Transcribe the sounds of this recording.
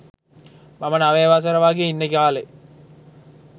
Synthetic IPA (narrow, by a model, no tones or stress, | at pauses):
mamənaʋeːʋaːs̬ɐɾəʋaːɡeinːekaːle